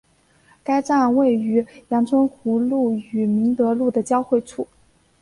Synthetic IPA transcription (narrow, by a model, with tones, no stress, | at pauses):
ka˥ɪʈ͡ʂa˥˧nwe˥˩ɪy˧˥jɑ˧˥ŋt͡sʰwə˥nkʰu˧˥lu˥˩y˨˩mi˧˥ŋt̪ɤ˧˥lu˥˩d̪ə˩t͡ɕjɑ˥ʊxwe˥˧ɪʈ͡ʂʰu˥˩